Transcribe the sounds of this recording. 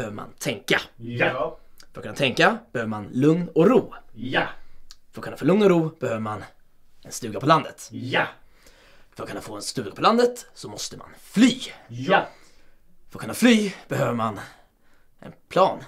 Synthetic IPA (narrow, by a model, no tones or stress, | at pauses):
høːvəɾma̰nt̪ʰɛŋka | fœɾkʰɵnːat̪ʰɛŋkab̥ɛhøːvəmanlɵŋnɔɾuː | fəɾkʰɵnafoːlɵŋnɔɾuːb̥ɛhøːvəɾman | ɛnst̪ʉ̟ːɡapʰɔland̪ət̪ | fœɾkɵnːafoːɛnst̪ʉ̟ːɡapʰɔland̪ət̪sɔmɔst̪əma̰nflyː | fœɾɔkʰɵnːaflyːb̥ɛhøːvəman | ʔɛ̰npʰlɑːn